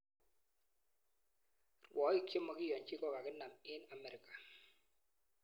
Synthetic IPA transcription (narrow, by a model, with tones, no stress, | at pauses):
rwɔ˨˦i˦˨kje˦mɔ˨kɪ˦jɔ˨nt͡ʃi˦kɔ˦ka˨kɪ˦na˨mɪ˦na˨mɛ˨ɾɪ˨kḁ˨